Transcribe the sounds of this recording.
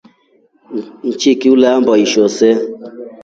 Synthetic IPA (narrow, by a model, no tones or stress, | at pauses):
n̩t͡ʃikiulambɔiʃose